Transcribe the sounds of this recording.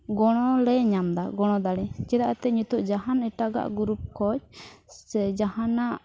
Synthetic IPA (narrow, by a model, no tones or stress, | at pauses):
ɡɔɽ̃ɔlɛɲamd̪aɡɔɽ̃ɔd̪aɽɛt͡ʃɛd̪aʔat̪ɛɲut̪uʔd͡ʒaɦanɛʈaɡa̰ʔɡuɾup̚kɔc̚ | ɛd͡ʒahanaʔ